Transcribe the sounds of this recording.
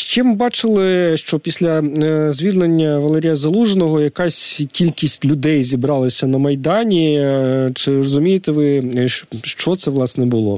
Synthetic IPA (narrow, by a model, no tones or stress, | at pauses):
ʃt͡ʃɪmbɑt͡ʃɪlˠɪʃt͡ʃɔpʲisʲlʲɐzʲʋʲid̪lenʲːɐʋɐlˠɛɾʲijɐzɐlˠuʒenɔɦɔjɐkɑsʲkʲilʲkʲisʲtʲlʲʊd̪ɛjzʲibɾɑlˠɐsʲɐnɐmɐjd̪ɑnʲi | t͡ʃɪrɔzʊmʲijet̪ɛʋɪ | ʃt͡ʃɔt̪sɛʋlˠɑsnɛbʊlˠɔ̰